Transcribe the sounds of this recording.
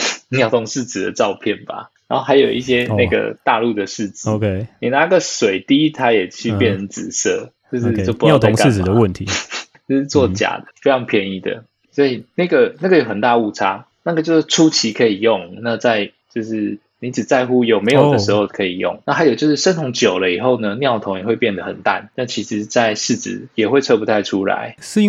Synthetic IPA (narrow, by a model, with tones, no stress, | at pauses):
jɑ˥˩ʊt̪ʰʊ˧˥ŋʂɻ̩˥˩t͡sɹ̩˨˩d̪ə̰˦ʈ͡ʂɑ˥˧ʊpʰjɛ˥˩nba̰˩ɻa˧˦nxo˥˩xa˧˥ɪjo˨˩ʊʔi˥˩ɕjɛ˦˥na˥˧ɡə̰˩t̪a˥˧lu˥˧d̪ə˩ʂɻ̩˥˩t͡s̩˥˧kʰni˨˩na˧˦˥ɡə˨ʂwe˨˩ɪt̪i˦t̪ʰa˦˥jɛ˨˩t͡ɕʰy˥˧pjɛ˥˨nə˧˦nt͡sɹ̩˨˩sɤ˥˧˩t͡ɕjo˥˧ʊʂɻ̩˥˧jo˥˩ʊpu˧˥˨t̪ʰŋka˥˨d̪ə˨˦wə˥˨˩nt̪ʰi˨˦t͡ɕo˥˧ʂ̩˥˧t͡swɔ˥˨˩t͡ɕja̰˨˩d̪ə˦fe˥ɪʂʰɑ˧˥ŋpʰjɛ˥˧ni˥˩d̪ə̰˩ | swɔ˧˦˥i˨˩na˥˩ɡə˩na˥˩ɡə˩jo˨˩ʊxə˨˩nt̪a˥˧u˥˧ʈ͡ʂʰa̰˥ | na˥˩ɡə˩t͡ɕjo˥˧ʊʂ̩˥˩ʈ͡ʂʰu˥t͡ɕʰi˧˥kʰɤ˧˥i˨˩jʊ˥˩ŋna˥˧t͡sa˥˧ɪ | t͡ɕjo˥˧ʊʂɻ̩˥˩ | ni˧˥t͡sɻ̩˨˩t͡sa˥˧ɪxu˥jo˨˩ʊme˧˥ɪjo˨˩də˦ʂ̩˧˥xo˥˧ʊkʰɤ˧˥i˨˩jʊ̰˥˩ŋna˥˩xa˧˥ɪjo˨˩t͡ɕjo˥˧ʊʂɻ̩˥˩ʂə˥nt̪ʰʊ˧˥ŋt͡ɕjo˨˩ʊlə˦i˨˩xo˥˩ʊnə˩njɑ˥˩ʊt̪ʰŋjɛ˨˩xwe˥˧ɪpjɛ˥˩nd̪ə˩xə̰˨˩nt̪a̰˥˩nna˥˩t͡ɕʰi˧˥ʂɻ̩˧˥t͡sa˥˧ɪʂɻ̩˥˩t͡sɻ̩̰˨˩jɛ˨˩xwe˥˧ɪʈ͡ʂʰɤ˥˧pu˧˩t̪ʰa˥˧ɪʈ͡ʂʰu˦˥la̰˧˦ɪʂɻ̩˥